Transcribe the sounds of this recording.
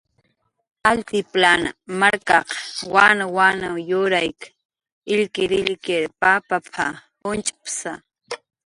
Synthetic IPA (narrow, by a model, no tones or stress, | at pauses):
alt̪ɪplana̰maɾkɑqwanawanajʊɾajk | ɪʎkɪɾɪʎkɪɾpapapʰa̰ | ʊnt͡ʃḁpsa